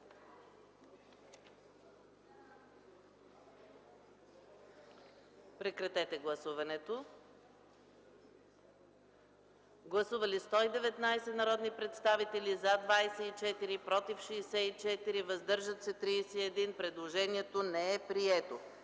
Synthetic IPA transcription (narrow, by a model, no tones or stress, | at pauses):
pɾɛkɾɐt̪ɛt̪ɛɡlˠɐsuvɐnɛt̪o | ɡlˠɐsuvɐlist̪ɔid̪ɛvɛt̪najsɛnɐɾɔd̪nipɾɛt̪st̪avit̪ɛlizad̪vajsɛit͡ʃɛt̪iɾipɾɔt̪ifʃiːsɛit͡ʃɛt̪iɾivɐzd̪ɤɾʒɐt̪sɛt̪ɾiːsɛɛd̪inpɾɛd̪lˠoʒɛniɛt̪onɛɛpɾiɛt̪o